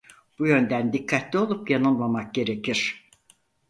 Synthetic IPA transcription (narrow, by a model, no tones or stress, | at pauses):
b̥ujø̞nd̪ænd̪ikʰːat̪lʲio̞lˠupjanunlˠamak̚ɟe̞ɾe̞ciɾ̥